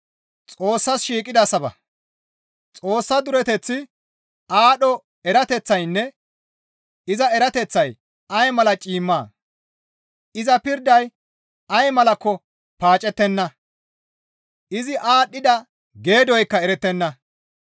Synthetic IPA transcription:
t͡sʼo̞ːsːɐsʃiːkʼɪd̪ɐsɐbɐ̰ | t͡sʼo̞ːsːɐd̪ʊɾɛt̪ɛt͡sːɪ | aːɗɔ | ɛɾɐt̪ɛt͡sːɐjnːɛ | ɪzɐɛɾɐt̪ɛt͡sːɐj | ɐjmɐlɐt͡ʃʼiːmːaː | ʔɪzɐpɪɾd̪ɐj | ɐjmɐlɐkːɔ | paːt͡ʃʼɛt̪ːɛnːɐ | ʔɪzɪʔaːɗɪd̪ɐ | ɡe̞ːd̪ɔjkːɐɛɾɛt̪ːɛnːɐ

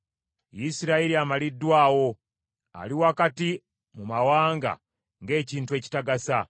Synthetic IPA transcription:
jisiɾaiɾiamalidːwaːwo̞ | a̰liwakati | mumawaːŋɡa̰ | ŋɡe̞ːciːntue̞ːci̥taɡasa

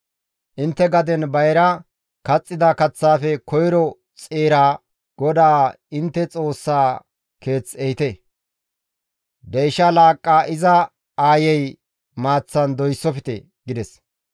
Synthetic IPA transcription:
ʔɪnt̪ːɛɡɐd̪ɛnbɐjɾɐ | kɐt͡sʼːɪd̪ɐkɐt͡sːaːfɛkʰɔjɾɔ | t͡sʼeːɾaː | ɡ̥ɔd̪aː | ɪnt̪ːɛt͡sʼo̞ːsːaː | ke̞ːt͡sːɛhɪt̪e | d̪ɛjʃɐlaːkʼːaːʔɪzɐ | aːjɛj | maːt͡sːɐnd̪ɔjsːɔfɪt̪ḛ | ɡ̥ɪd̪ɛs

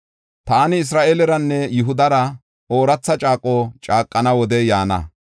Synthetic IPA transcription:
t̪aːnɪɪs̬ɾaːʔelɛɾɐnːɛjʊɦʊd̪ɐɾɐ | oːɾɐt͡sːɐt͡ʃʼaːkʼːoːt͡ʃʼaːkʼːɐnɐwɔd̪ɛjaːnɐ̰

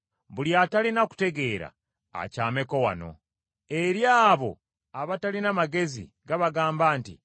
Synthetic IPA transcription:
βuljatalinaku̥te̞ɡe̞ːɾa̰ː | caːme̞ko̞wa̰no̞̰ | e̞ɾjaːβo̞̰ | aβatalinamaɡe̞zḭ | ɡaβaɡaːmbaːntḭ

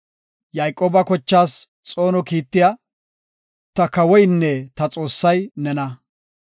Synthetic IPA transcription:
jaːjkʼoːbɐkɔt͡ʃːaːs | t͡sʼo̞ːnɔkiːt̪ːɪja | t̪ɐkɐwɔjnːɛt̪ɐt͡sʼo̞ːsːɐjnɛnɐ

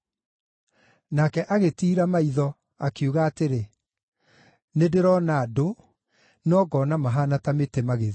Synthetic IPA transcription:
nakɛʔaɣetiːɾamaiðɔ | akiuɣaːteɾe | nedeɾɔnaːdo | nɔɡɔnamaɦanatametemaɣeð

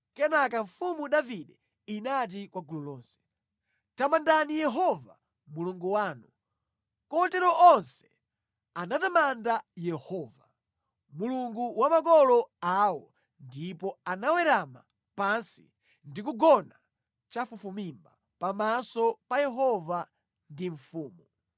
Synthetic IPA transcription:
kɛnakaɱfumuɗaviɗɛ | inat̬ikwaɡululɔːnsɛ̥ | tamandanijɛɦɔva̰ | muluŋɡuwaːnu | kɔtɛɾɔʔɔnsɛ̥ | anatamandajɛhɔːva | muluŋɡuwamakɔlɔawɔ | ndipɔanawɛɾama̰ | pansi | ndik̬uɡɔna | t͡ʃafufumimba | pamasɔpajɛɦɔva | ndiɱfuːmu

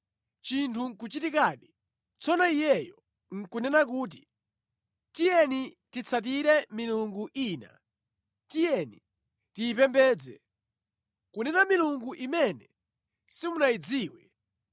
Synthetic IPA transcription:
t͡ʃintʰuŋkut͡ʃitikaːɗi | t͡sʰɔnɔijɛjɔ | ŋ̩kunɛnak̬uːt̬i | tijɛni | tit͡sʰat̬iɾɛmiluŋɡuʔiːna̰ | tijɛni | tiːpɛmbɛːd͡zɛ | kunɛnamiluŋɡuʔimɛnɛ | simunaid͡ziːwɛ

